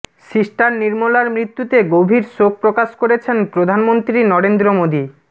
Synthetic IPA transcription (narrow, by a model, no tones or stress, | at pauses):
ʃiʃʈaɾniɾmolaɾmɾit̪ːut̪eɡobʱiɾsok̚pɾokaʃkoɾet͡ɕʰenpɾod̪ʱanmont̪ɾinɔɾend̪ɾomod̪i